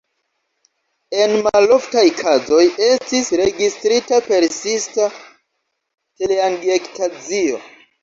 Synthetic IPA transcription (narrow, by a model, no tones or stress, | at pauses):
e̞nmaloftajkʰazo̞je̞stisɾe̞ɡistɾitape̞ɾsista | te̞leaŋɡektʰad͡zio̞̰